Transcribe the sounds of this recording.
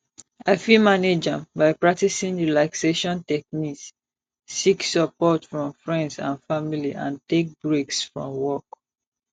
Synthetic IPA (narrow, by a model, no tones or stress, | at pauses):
aɪfilmaned͡ʒãmbaɪpɹak̚tisĩnɹilakseʃɔ̃ntɛk̚niksː | iksəpɔtfɹɔ̃mfɹɛ̃ndsã̰nfamiliʔã̰ntek̚bɹeksfɹɔ̰̃mwɔk